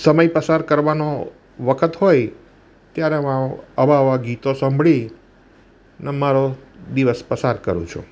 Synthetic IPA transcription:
səməjpəsaɾkəɾʋano | ʋəkʰət̪ɦoj | t̪jaɾemãəʋaʋaɡit̪osə̃mbʱɭi | nemaɾod̪iʋəspəsaɾkə̰ɾṵ̃t͡ʃʰṵ̃

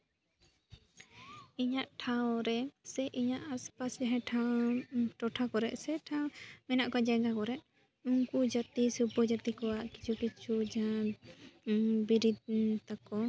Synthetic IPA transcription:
iɲaʔʈʰawɾɛsɛʔiɲaʔaspasd͡ʒaɦɛʈʰawʈɔʈʰakɔɾɛʔsɛʈʰãmɛnaʔkɔd͡ʒaɡakɔɾɛʔ | uŋkud͡ʒat̪isubɔd͡ʒat̪ikɔwaʔki̥t͡ʃʰukit͡ʃʰud͡ʒaã | biɾid̪̚t̪akɔ

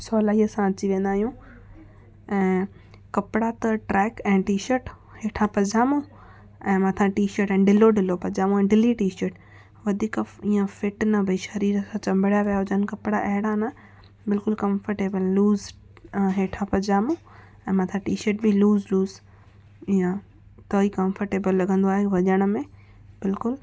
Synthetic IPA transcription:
sɔːlaːiəsãɐt͡ɕiʋẽːnd̪aːɦijũ | ɛ̃ː | kɐpɪɽat̪ɐʈɾɛːkɛ̃ːʈiːʃəɾʈ | heːʈʰãpɐd͡ʑaːmõ | ɛ̃ːmɐ̃t̪ʰãʈiːʃəɾʈɛ̃ːɖɪloɖɪlopɐd͡ʑaːmõɛ̃ːɖɪliʈiːʃəɾʈ | ʋɐd̪ʱiːkĩːãfɪʈnɐbʱɐiʃɐɾiːɾəsãt͡ɕɐ̃mbʱəɽjaʋijaɦod͡ʑɐnkɐpɽaʔɐɦɪɽana | bɪlkʊlkɐ̃mfəɾʈeːbəlːluːz | ɦeːʈʰãpɐd͡ʑaːmõ | ɛ̃ːmɐt̪ʰãʈiːʃəɾʈ̚bɪluːzluːz | ijə̃ | t̪oːikɐ̃mfəɾʈeːbəlːɐɡʱə̃nd̪oaːɦeʋɐd͡ʑəɽ̃əmẽ | bɪlkʊl

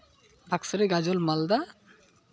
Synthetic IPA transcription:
bʱaksɐɾeɡad͡ʑolmald̪a

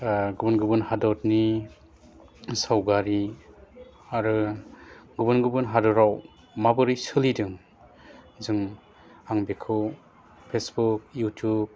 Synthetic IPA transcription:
ɡubɯnɡɯbɯnhadɔtni | sawɡaɾi | aɾɯ | ɡubɯnɡɯbɯnɦadɔɾaw | mabɯɾisɯlidɯŋ | zɯŋ | aŋbekʰɯw | pʰesbuk̚jutʰjub̚

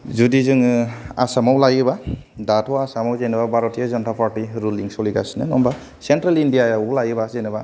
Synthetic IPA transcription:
zudizɯŋa̰samawlajɯba | datʰɔwasamawzejnababaɾɔtijazɔntʰapʰaɾtiɾuliŋsɔliɡasinɯnɔmba | sentɾalindijajawlajɯbazejnaba

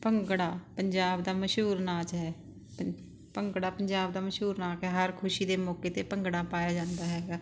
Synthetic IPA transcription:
pəŋɡɽaːpəɲd͡ʒaːbd̪aːməʃɦuːɾnaːt͡ʃɦɛː | pəŋɡɽaːpəɲd͡ʒaːb̚d̪aːməʃɦuːɾnaːkɦɛːɦəɾkʰʊʃiːd̪eːmɔːkeːt̪eːpəŋɡɽaːpaːjaːd͡ʒãːnd̪aːɦɛːɡaː

